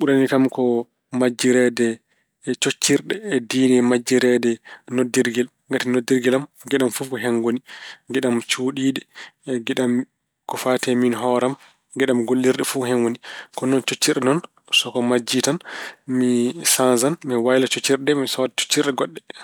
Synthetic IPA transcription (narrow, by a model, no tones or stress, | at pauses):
ɓuɾanikamkɔ | mad͡ʒːiɾɛdɛ | t͡ʃot͡ʃːiɾɗɛːdiːnɛmad͡ʒːiɾɛdɛnodːiɾɡɛl | ɡatinodiɾɡɛlam | ɡɛɗamfufkɔɦɛŋɡoniɡɛɗamt͡ʃuːɗiːɗɛɡɛɗam | kɔfatɛminɦɔɾam | ɡɛɗamɡolːiɾɗɛfuɦɛnwonikɔnɔnt͡ʃot͡ʃːiɾɗɛnɔn | sɔkɔmad͡ʒitanmisanzanmiwajlat͡ʃot͡ʃːiɾdɛmisɔdat͡ʃo̥t͡ʃːiɾɗɛɡɔɗːɛ